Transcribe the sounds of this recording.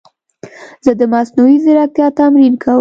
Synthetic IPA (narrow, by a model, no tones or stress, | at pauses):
z̥əd̪əmasnuwizɪɾɑt̪jɑt̪amɾinkʰawə